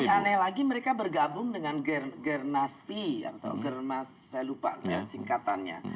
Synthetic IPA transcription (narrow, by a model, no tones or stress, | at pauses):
analaɡiməɾekabərɡabʊŋdəŋanɡərɡərnaspia̰t̪a̰wɡərnas | sajalupa̰ʔt̪aja̰siŋkat̪anɲa̰